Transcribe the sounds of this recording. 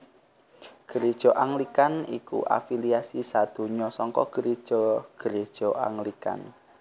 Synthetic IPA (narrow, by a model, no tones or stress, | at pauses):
ɡ̥ə̤ɾid̥ʒ̥ɔ̤ʔaŋlikanikṵʔa̰filiasisad̪̥o̤ɲɔsɔŋkɔɡ̥əɾid̥ʒ̥ɔɡ̥əɾed̥ʒ̥ɔ̤ʔa̰ŋlika̰n